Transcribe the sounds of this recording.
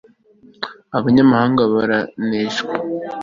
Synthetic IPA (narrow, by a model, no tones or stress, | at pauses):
aβaɲamahaːŋɡaβaɾaneːʒɡa